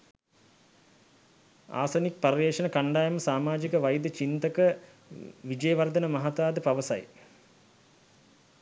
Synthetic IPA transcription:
a̰ːsɐnik̚pɐɾiʋeːʂɐnəkɐɳɖaːjɐməsaːmaːd͡ʒikəʋɐjd̪ət͡ʃint̪əkə | ʋid͡ʒəjəʋɐrd̪ɐnəmɐɦat̪aːd̪əpɐʋəsɐ̰j

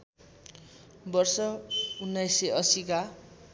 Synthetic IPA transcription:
bʌrsʌunːajseʌsika

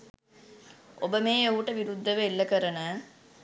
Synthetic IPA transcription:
o̰bəmeːowʈəʋiɾud̪ʱːəʋeilːəkəɾənə

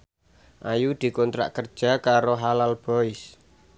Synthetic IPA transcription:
ʔajud̪̥i̤kɔnt̪ɾa̰ʔkərd̥ʒ̥a̤kaɾoɦalalb̥ɔ̤ɪs

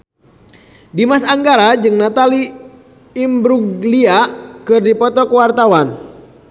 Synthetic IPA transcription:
dimasaŋɡaɾad͡ʒɨŋnat̪aliː | mbɾuɡliakɨrdipɔt̪ɔkəwart̪awan

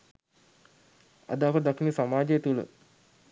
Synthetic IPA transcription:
a̰d̪əafəd̪akinəsamaːd͡ʒəet̪ulə̰

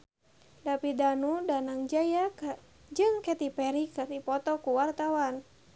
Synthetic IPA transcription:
dapidanudanaŋd͡ʒaja | d͡ʒɨŋkɛt̪ipɛɾikɨrd̪ipɔt̪ɔkuwart̪awan

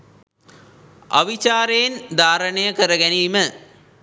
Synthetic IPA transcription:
ɐ̰ʋit͡ʃaːɾejend̪ʱaːɾəɳejəkəɾəɡɛniːmə

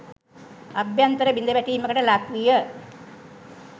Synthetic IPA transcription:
ɐbjant̪ɐɾəbind̪əʋæʈiːməkəʈəlakʋijə

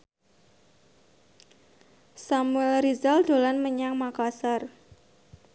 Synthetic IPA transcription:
samuɛlrizald̪̥o̤lanməɲaŋmakasar

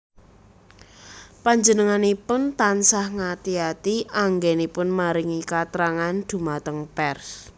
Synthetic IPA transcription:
paɲd͡ʒənəŋanipʊnt̪ansahŋat̪iat̪iʔaŋɡɛnipʊnmaɾɪŋikat̪ɾaŋand̪̥ṳmat̪əŋpɛrs

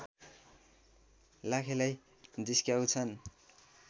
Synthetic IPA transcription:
lakʰelaj | d͡ziskjawt͡sʰʌn

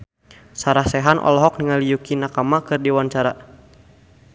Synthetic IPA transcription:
saɾahsɛɦanʔɔ̰lɔɦɔk̚niŋalijukinakamakɨrdiwant͡ʃaɾa

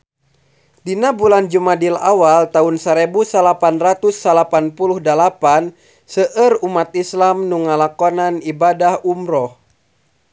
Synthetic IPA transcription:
dinabuland͡ʒumadila̰walt̪aunsəɾɛbusəlapanrat̪usːalapanpuluhdalapan | səʔərumat̪islamnuŋalakɔnanibadahumɾɔh

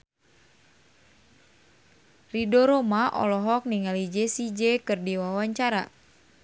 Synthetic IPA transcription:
ridɔɾɔmaʔɔ̰lɔɦɔk̚niŋalid͡ʒɛsid͡ʒɛkɨrdiwawaɲt͡ʃaɾa̰

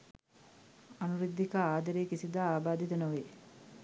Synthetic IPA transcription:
anuɾid̪ʱːikaaːd̪ɐɾeːkisid̪aːaːbaːd̪it̪ənoʋeː

